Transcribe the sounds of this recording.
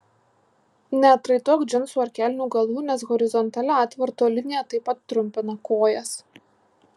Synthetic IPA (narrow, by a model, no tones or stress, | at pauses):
nʲɛɐt̪ɾɐɪt̪oːkd͡ʒʲɪnsuɐɾʲkʲæːlʲɪnʲuːɡɐlˠʋuːnʲɛsɣɔɾʲɪzɔnt̪ɐlʲɛɑt̪ʲʋɐɾt̪oːlʲɪnʲɪjɛt̪ɐɪpɐt̪ːɾʊmʲpʲɪnɐkoːjɛs